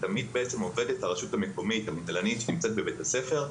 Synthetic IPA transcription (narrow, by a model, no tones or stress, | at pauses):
t̪amid̪̚beet͡se̞mo̞ve̞det̪aʁaʃutameko̞mit̪hamud̪lanitʃenimt͡se̞t̪̚bebe̞tase̞fe̞ʁ